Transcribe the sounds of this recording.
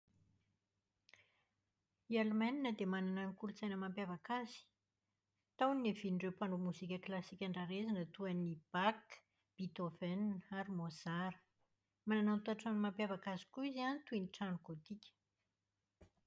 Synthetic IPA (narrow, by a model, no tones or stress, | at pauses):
ialmaninəd̪emanananikult͡sajnəmampjavakazi̥ | t̪awnieviniɳɖ͡ʐewpaɳomuzikʲəklasikʲaɳɖ͡ʐaɾezanət̪uanib̥ak | b̥it̪ofɛnaɾimoz̥aɾə | mananawnt̪uaʈ͡ʂanmampjavakazi̥kuizanit̪uiniʈ͡ʂaɳuɡot̪ikʲə̥